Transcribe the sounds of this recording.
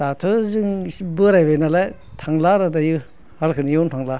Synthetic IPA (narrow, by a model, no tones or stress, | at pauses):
tatʰɯzɯŋbɯɾajbajnalaj | tʰaŋlaɾadajɯ | haɾkʰɯnjɔntʰaŋla